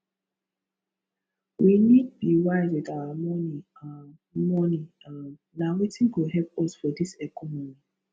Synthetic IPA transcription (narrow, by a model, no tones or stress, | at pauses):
wʔinid̚biwaɪzidamɔni | mɔni | a | nawitĩnkoɦɛlpɔsfɔdisɛkɔmɔmni